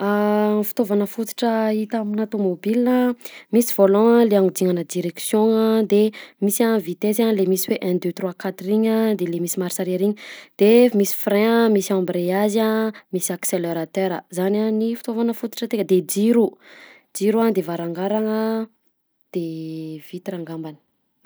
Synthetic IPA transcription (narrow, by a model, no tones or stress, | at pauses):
afi̥t̪ovanəfut̪i̥ʈ͡ʂəit̪aminat̪omobilinəmisiv̥olɔ̃aleaŋud̪iŋanəd̪iɾeksjõŋad̪emisavit̪ezalemisiweʔɛ̃nd̪øt̪rwakat̪uiɲad̪elemisimaɾisaɾiɾiɲid̪̥emisi̥fɾɛ̃əmisiambɾeazamisakseleɾat̪øɾəzananifi̥t̪ovanəfut̪u̥ʈ͡ʂət̪eŋəd̪ed͡ʒiɾu | d͡ʒiɾuad̪evaɾaŋɡaɾaŋə | d̪̥ev̥it̪iɾaŋɡambanə̥